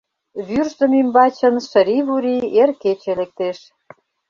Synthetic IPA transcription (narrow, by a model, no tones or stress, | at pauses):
βyrzə̆mimbɑt͡ɕə̆nʃə̆ɾiβuɾierket͡ɕelek̚t̪eʃ